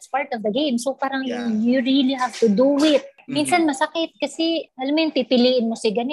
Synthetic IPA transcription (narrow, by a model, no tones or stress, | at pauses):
spaɹt̪ɔvd̪ɐɡẽjmsopaɾɐŋjʊŋjuɹilihavt̪ʊd̪uɪt̪̚minsɐnmɐsɐkɪt̪̚kɐsɛɐlɐmjʊnpipɪliːʔɪnmosɪɡɐnɛ